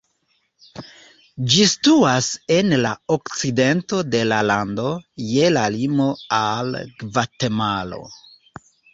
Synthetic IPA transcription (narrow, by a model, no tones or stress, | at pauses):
d͡ʒistuase̞nlaokt͡side̞nto̞de̞lalando̞je̞lalimo̞alɡvate̞malo̞̰